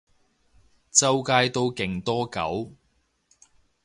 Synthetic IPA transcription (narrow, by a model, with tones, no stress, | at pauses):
t͡sɐ˧wkaː˧jt̪o˧wkɪ˨˩ŋt̪ɔː˥kɐ̰˨˥w